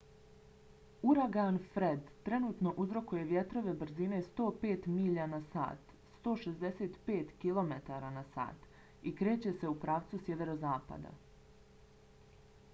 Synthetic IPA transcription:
uɾaɡanfɾed̪t̪ɾe̞nuːt̪noʔuzɾo̞kuje̞ʋje̞t̪ɾo̞ʋe̞br̩zine̞st̪o̞ːpeːt̪miʎanasa̰ːt̪ | st̪o̞ːʃezd̪e̞se̞ːt̪peːt̪kilˠo̞met̪aɾanasa̰ːt̪ | ikɾe̞ːt͡ɕe̞se̞upɾaːʋt̪susjeʋeɾo̞zaːpa̰d̪a̰

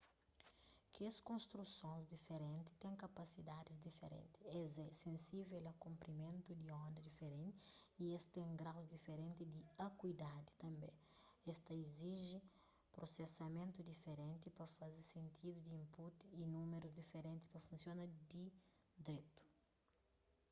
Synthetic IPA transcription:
keskõnst̪ɾusõnzd̪ifeɾẽnt̪i̥t̪ẽŋkɐpɐsid̪ad̪izd̪ifeɾḛ̃nt̪i̥ɛzɛsẽnsivelɐkũmpɾimẽnt̪ud̪iɔ̃nd̪ɐd̪ifeɾẽnt̪iiest̪ẽŋɡɾawzd̪ifeɾẽnt̪id̪iakwid̪ad̪i̥t̪ɐ̃mbẽ | ɛst̪ɐiziʒi | pɾosesɐmẽnt̪ud̪ifeɾẽnt̪ipɐfɐzesẽnt̪ʰid̪ud̪iĩmput̪iːnumeɾuzd̪ifeɾẽnt̪ispɐfũnsjonɐd̪i | d̪ɾet̪u̥

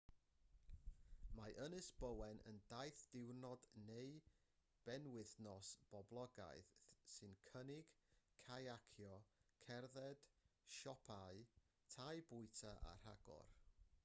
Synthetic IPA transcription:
maʔənɨsb̥əwɛnə̰ndajθd̥ɪwnɔdnej | b̥ɛnwɪθnɔsb̥ɔblˠɔɡa̰jθsɨnkʰənɪɡ̥kʰːajakʰjɔkʰɛrðɛd̥ʃɔpʰaɨ | tʰajbʊɨtʰaʔa̰r̥a̰ɡɔ̰r

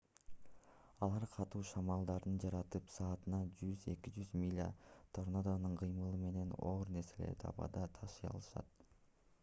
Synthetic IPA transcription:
ɑlˠɑɾqʰɑt̪uːʃɑmɑlˠd̪ɑɾd̪ɯnd͡ʒɑɾɑt̪ɯpsɑːt̪ɯnɑd͡ʒyze̞̰kid͡ʒyzmʲilʲa̰t̪ʰoɾnad̪anɯɴqʰɯjmɯlˠɯme̞ne̞noːɾne̞ɾse̞lḛɾt̪ʰɑ̰βɑ̰d̪ɑt̪ʰɑʃɯjɑ̰lˠɯʃɑ̰t̪

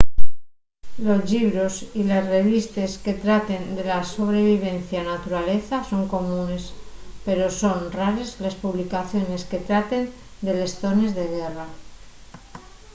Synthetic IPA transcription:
lo̞zʎiβ̞ɾosilezre̞β̞ist̪eske̞t̪ɾat̪end̪elaso̞β̞ɾe̞β̞iβ̞e̞n̟θjanat̪uɾale̞θaso̞ŋko̞mũne̞spe̞ɾo̞so̞nraɾezlespuβlikaθjo̞ne̞ske̞t̪ɾat̪e̞n | d̪e̞le̞sθo̞ne̞zðe̞ɣera

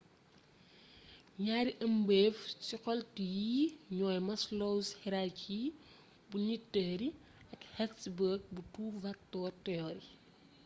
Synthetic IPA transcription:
ɲaːɾiʔɐmbɛːft͡ʃikɔltijiɲɔːjmɐslɔwshɛɾaci | buɲitːəːɾi | ɐkhɛsbəːk̚butuːvɐk̚tɔːrtɛɔɾi

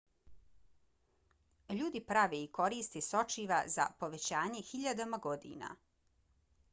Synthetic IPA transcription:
ʎuːd̪ipɾaʋeiko̞ɾiːst̪eso̞t͡ʃiʋaza̰po̞ʋe̞t͡ɕaːɲe̞xiʎad̪amaɡo̞d̪ḭːna̰

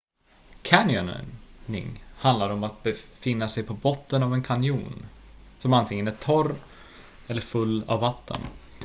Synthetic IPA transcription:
kʰænɪɔnnɪ̰ŋhand̪laɾɔmat̪̚bɛfɪnːasɛjpʰɔbɔt̪ːənavɛnkʰanɪjuːnsɔmant̪ʰɪŋːənæʈʰɔɾ | ɛlːəɾfɵlːa̰vːat̪ʰːə̰n

